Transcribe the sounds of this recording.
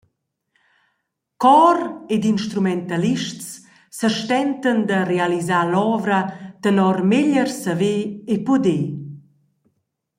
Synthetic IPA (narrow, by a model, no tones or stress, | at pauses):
kɔred̪inʃt̪ɾumɛnt̪aliʃts | səʃt̪ɛnt̪ənd̪ərealizalɔvɾət̪ənɔrmeʎərsəveːpod̪e